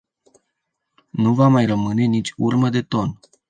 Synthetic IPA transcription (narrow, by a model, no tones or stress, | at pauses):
nuvamajrəmɨne̞nit͡ʃʲurməd̪e̞t̪o̞n